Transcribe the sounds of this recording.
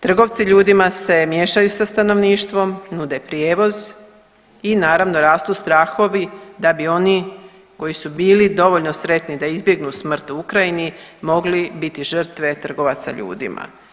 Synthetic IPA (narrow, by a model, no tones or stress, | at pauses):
t̪r̩ɡo̞ʋt̪siʎuːd̪imase̞mje̞ːʃajusast̪ano̞ʋniːʃt̪ʋo̞mnud̪epɾjeːʋo̞z | inaːɾaʋno̞ɾaːst̪ust̪ɾaːxo̞ʋid̪abio̞ni | ko̞jisubiːlid̪o̞ʋo̞ʎnosɾe̞t̪nid̪aizbje̞ɡnusmr̩t̪uukɾajinimo̞ɡlibit̪iʒər̩t̪ʋe̞t̪r̩ɡo̞ʋat̪sa̰ʎṵːd̪ḭma̰